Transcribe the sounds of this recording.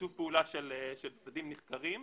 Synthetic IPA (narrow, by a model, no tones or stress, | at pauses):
uvpeulaʃeleʃelsadimniχkaʁim